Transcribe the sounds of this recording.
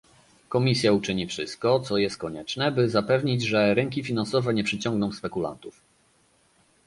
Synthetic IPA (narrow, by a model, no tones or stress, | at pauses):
kɔmʲisʲjaut͡ʂɘɲifʂɘst̪̚kɔt̪sɔjɛst̪̚kɔɲɛt͡ʂnɛbɘzapɛvɲid͡ʑʐɛɾɛŋkʲifʲinansɔvɛɲɛpʂɘt͡ɕɔŋɡnɔ̃w̃spɛkula̰nt̪uf